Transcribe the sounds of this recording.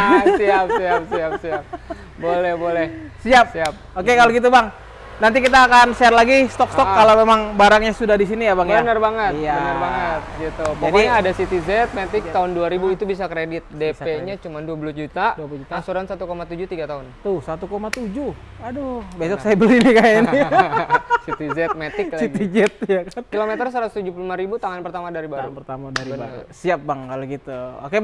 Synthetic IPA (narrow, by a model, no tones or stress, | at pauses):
iap̚siap̚siapsiap̚ | bolɛhbolɛhsiap̚siap̚okekaloɡit̪̬ubaŋ | nant̪̬ikit̪aːkansarlaɡist̪ɔkst̪ɔkːalomemaŋbaɾaŋɲasudahdisinijabaŋjbaənərbaŋət̪iabbənərbaŋət̪̚ɡit̪upɔakiɲaadasit̪izɛt̪̚met̪ɪk̚t̪aʊnduaɾibuit̪ubis̬akɾedɪt̪̚depeɲat͡ʃumanduapuluhd͡ʒut̪aduaplud͡ʒut̪asuɾansat̪ukomat̪ud͡ʒut̪iɡat̪aɦʊnt̪usat̪ukomat̪ud͡ʒu | adobesɔksajabəlinikani | sit̪izɛt̪̚met̪ɪklsaiɡ̪id͡ʒɛt̪̚jakankilomet̪ərsaɾat̪u̥st̪ud͡ʒuplumaɾibut̪aŋanpərt̪amadaɾibaɾupərt̪amadaɾibəsiap̚baŋkaloɡit̪uoke